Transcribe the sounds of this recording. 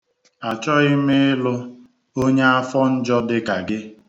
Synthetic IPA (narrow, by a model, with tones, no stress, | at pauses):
a˨t͡ʃɔ˦i˦me˦ɪ˦lʊ˦ | o˦ɲe˦a˦fɔ˦n̩˦d͡ʒɔ˦dɪ˦ka˨ɡɪ˦